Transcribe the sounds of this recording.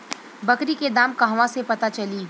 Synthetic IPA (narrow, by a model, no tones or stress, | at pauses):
bɐkɾiked̪aːmkɐɦʋãsepɐt̪at͡ʃɐliː